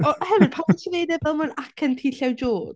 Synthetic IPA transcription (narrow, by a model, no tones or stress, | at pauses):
ɔhɛvrpʰatʰinejdɛvɛlˠmənakʰəntʰiɬjawd͡ʒoːd̥